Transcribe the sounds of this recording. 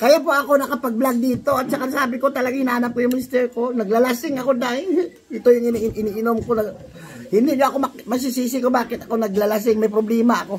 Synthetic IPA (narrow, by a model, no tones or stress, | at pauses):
kɐjop̬oʔɐko̞nɐkɐpɐɡ̚blaɡ̚d̪iːt̪o̞ɐt̪̚sɐkasaːbɪko̞t̪ɐlɐɡaŋɪnaːnɐp̚kojʊŋmɪst̪ɛɾko̞nɐɡlɐlasɪŋɐko̞d̪aɪn | ɪt̪o̞jʊŋɪnʔɪniʔɪnomkonɐɡ | hɪnd̪ɪʔɲoʔɐko̞mɐmɐs̬ɪsiːs̬ɪkobaːkɪt̪ɐko̞nɐɡlɐlas̬ɪŋmɐjpɾoblɛːmɐɐko̞